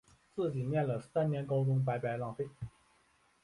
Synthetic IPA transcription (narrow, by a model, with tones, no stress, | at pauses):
t͡sɹ̩˥˩t͡ɕi˨˩njɛ˥˩nlə˩sa˥nnjɛ˧˥nko˥ʊt̪ʰʊ˥ŋp̬a˧˥ɪpa˧˥ɪlɑ˥˧ŋfe˥˩ɪ